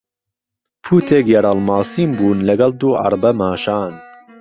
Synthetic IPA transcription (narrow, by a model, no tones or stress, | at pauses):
pʰuːt̪ʰeːkjɛɾɑːlmɑːsiːmbuːnlɐɡɐld̪uːʔɑ̰ɾbɐmɑːʃɑːn